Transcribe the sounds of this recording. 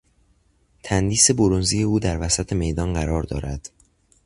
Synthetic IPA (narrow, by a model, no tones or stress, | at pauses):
t̪ʰænd̪iːse̞boɾonziːjeuːd̪æɾvæsæt̪ʰe̞me̞jd̪ɒːnɢæɾɒːɾd̪ɒ̰ːɾæd̪̥